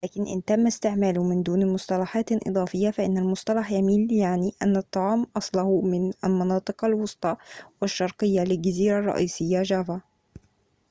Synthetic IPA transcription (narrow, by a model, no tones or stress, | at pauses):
læːkɪnʔɪ̰nt̪amːast̪ɪʕmæːlʊmɪnd̪uːnmʊsˤt̪ɑlɑħɑːt̪ʔɨ̰d̪ˤɑːfɪjːafaʔɪnːalmʊsˤt̪ɑlɑħjamiːljaʕniʔanːat̪ˤːɑʕɑːmʔɑsˤlɑhumɪnalmɑnɑːt̪ˤɨqalwʊsˤt̪ˤɑwɪʃːɑɾˤqɪjːalɪlɡaziːɾarˤːɑ̰ʔiːsɪjːaʒava